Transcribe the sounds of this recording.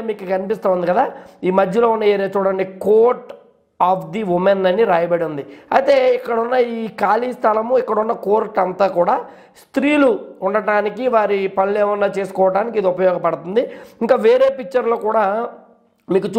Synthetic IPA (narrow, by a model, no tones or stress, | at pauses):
miːkukɐnipist̪aːʋund̪ikɐd̪aːiːmɐd̪ʱjɐloːunːɐeːɾeːt͡ʃuːɽɐɳɖikoːɾʈ | aːpʰd̪iʋumenɐnːiɾaːjɐbɐɽund̪iɐ̰jt̪e̞ːikːɐɽunːɐiːkaːliːst̪ʰɐlɐmuikːɐɽunːɐkoːɾʈɐnt̪aːkuːɽaː | st̪ɾiːluuɳɖɐɽaːnikiʋaːɾipɐnleːʋɐnːaːt͡ʃe̞ːsu̥kɔːʋɐʈaːnikid̪iupɐjɔːɡɐpɐɽut̪und̪iiŋkaːʋeːɾe̞ːpik̚t͡ʃːɐɾloːkuːɽaː | miːkut͡ʃ